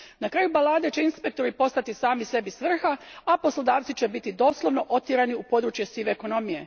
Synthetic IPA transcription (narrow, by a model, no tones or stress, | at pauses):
nakɾaːjubalaːd̪e̞t͡ɕe̞inspe̞k̚t̪o̞ɾipo̞st̪at̪isaːmise̞bisʋr̩xaapo̞slod̪aːʋt̪sit͡ɕebit̪id̪o̞ːslˠo̞ʋno̞ʔo̞t̪jeɾaniupo̞d̪ɾuːt͡ʃje̞siʋeːko̞no̞mije̞